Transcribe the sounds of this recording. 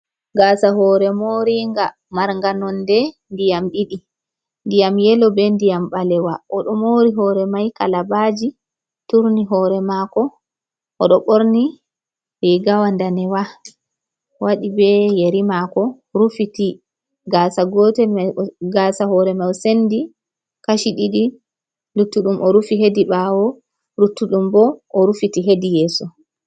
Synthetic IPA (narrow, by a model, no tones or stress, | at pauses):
ɡaːsaɦɔɾɛmoɾiŋɡa | maɾŋɡanɔndɛndijamɗiɗi | ndijamjɛlɔbɛndijambalɛwaʔɔɗɔmoɾiɦɔɾɛmajkalabad͡ʒi | tuɾniɦɔɾɛmakɔ | ʔɔɗɔɓoɾni | ɾiɡawandanɛwa | waɗibɛjeɾimakɔ | ɾufiti | ɡasaɡɔtɛmaɡasahɔɾɛmawsendi | kaʃiɗiɗi | lutːuɗumʔɔɾufiɦedibawɔ | ɾutːuɗumbɔʔɔɾufitiɦedijɛːsɔ